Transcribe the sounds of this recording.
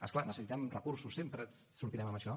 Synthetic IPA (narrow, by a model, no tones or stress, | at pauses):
ə̰sklanəsəsit̪ɛmrəkuɾsusːempɾə | suɾt̪iɾɛməməʃɔ